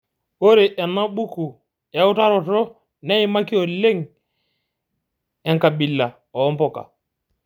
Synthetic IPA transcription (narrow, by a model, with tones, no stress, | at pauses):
o˦ɾe˨ʔɛ˨nːa˦ɓu˦ku˨ | ɛ˨u˦ta˦ɾɔ˨tɔ˦ | nɛ˦i˦ma˦ki˦ɔ˨le˦ŋ | ɛ˨ŋka˨bi˨lːa˨ | ɔː˨˦mpɔ˨ka̰˨